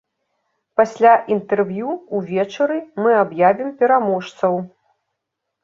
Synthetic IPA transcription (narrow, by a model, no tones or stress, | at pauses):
pasʲlʲaʔint̪ɛrvjuuvʲɛt͡ʂɐɾɨmɨabjavʲimpʲɛɾamɔʂt̪sɐw